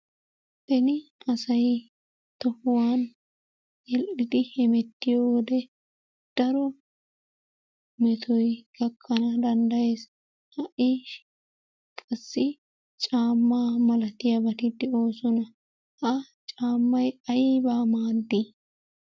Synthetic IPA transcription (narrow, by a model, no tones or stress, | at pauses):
bɛnɪɐsɐj | t̪ɔhʊwaːn | jɛlʔɪd̪ɪhɛmɛt̪ːɪjoːwɔd̪ɛ | d̪̥ɐɾɔ | mɛt̪ʰɔjɡɐkʰːɐnɐd̪ɐnd̪ɐje̞ːs | hɐʔiʃ | kʼɐsːɪ | t͡ʃʼaːmːaːmɐlɐt̪ɪjɐbɐt̪ɪd̪ɛo̞ːsɔnɐ | hɐ | t͡ʃʼaːmːɐjɐjbaːmaːd̪ːi